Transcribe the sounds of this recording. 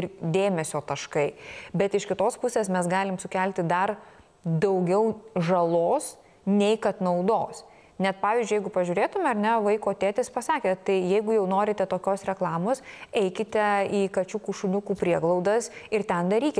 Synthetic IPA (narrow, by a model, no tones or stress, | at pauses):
ɪrd̪ʲeːmʲɛsʲoːt̪ɐʃkɐɪbʲɛt̪ɪʃkʲɪt̪oːspʊsʲeːsmʲɛsɡɑːlʲɪmsʊkʲælʲt̪ʲɪd̪ɐr | d̪ɐʊɡʲɛʊʒɐlˠoːs | nʲɛɪkɐt̪nɐʊd̪oːs | nʲɛt̪pɑːʋʲiːzd͡ʒʲʊjɛɪɡʊpɐʒʲʊːɾʲeːt̪ʊmʲɛɐɾnʲɛʋɐɪkoːt̪ʲeːt̪ʲɪspɐsɑːkʲeːt̪ɐɪjɛɪɡʊjɛʊnoːɾʲɪt̪ʲɛt̪oːkʲoːsɾʲɛklˠɑːmoːsɛɪkʲɪt̪ʲɛiːkɐt͡ʃʲukuʃʊnʲʊkuːpʲɾʲiɛɡlˠɒʊd̪ɐsɪrt̪ʲɛnd̪ɐɾʲiːkʲɪ